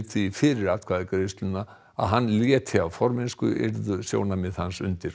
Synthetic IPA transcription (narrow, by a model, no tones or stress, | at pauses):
ɾt̪ʰvifɪɾɪɾat̪̚kʰvaːðɪkaɾejst̪lʏnːa | a̰ðɦanːljɛːt̪ʰɪavfɔɾmɪnskʏ̰ʔɛ̰ɾðʏsjo̰ːwnamɪðhansʏ̰nt̪ɪɾ̥